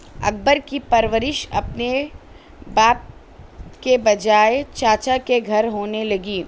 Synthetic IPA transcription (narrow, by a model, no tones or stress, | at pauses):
ɐ̰k̚bəɾkipɐɾʋəɾɪʃɐ̰pne | baːp̚ | kebɐd͡ʒaːet͡ʃaːt͡ʃakeɡʱɐɾɦoːnelɐɡiː